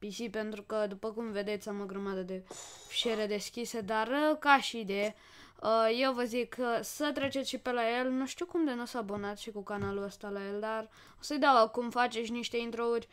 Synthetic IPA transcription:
pisipe̞nt̪ɾukəd̪upəkumve̞d̪e̞t̪sʲamoɡɾəmad̪əd̪e̞fi̥ʃeɾed̪e̞skʲised̪arəkaʃid̪e | əje̞wvəzikʰəsət̪ɾe̞t͡ʃet̪sʲʃipe̞laje̞lnuʃt̪iwkumd̪enosabonat̪ʃikukanaluəst̪alaje̞ld̪ar | osəjd̪awakumfat͡ʃesʲniʃt̪e̞int̪ɾourʲ

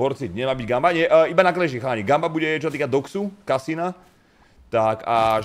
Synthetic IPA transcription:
pɔɾt͡sit̪ɲɛmaːbiɟɡambaɲɛʔibanaklɛʒixaːɲiɡambabuɟɛt͡ʃɔsat̪iːkad̪ɔksukasina | t̪aka

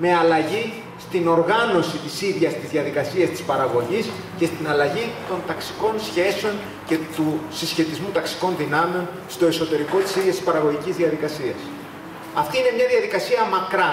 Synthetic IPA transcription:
me̞ɐlɐʝi | st̪ino̞ɾɣɐno̞sit̪isiðʝɐst̪izðjɐðikɐsiɐst̪i̥spɐɾɐɣo̞ʝis | ce̞st̪inɐlɐʝit̪o̞nt̪ɐksi̥ko̞nsçe̞seo̞n | cet̪usisçe̞t̪izmut̪ɐksi̥ko̞nðinɐmeo̞n | st̪o̞eso̞t̪e̞ɾiko̞t̪i̥siðʝɐst̪ispɐɾɐɣo̞ʝicizðiɐðikɐsiɐs | ɐft̪iine̞mɲɐðiɐðikɐsiɐmɐkɾɐ

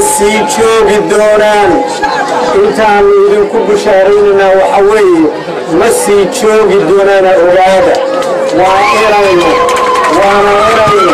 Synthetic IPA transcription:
siːt͡ʃɔːɣɪd̪ɔːnaːn | ʔɪnt̪ʰaːnʊɪðiŋkʰʊbʊʃaːɾɛjnɛnaːwɑħɑwɛːjɛ | mɐsiːt͡ʃɔːɣɪd̪ɔːnaːnɐʕʊɣaːðɐ | wɑːʔɪɾɐjnɐwɑːnɐʔɪɾɐjnɔ

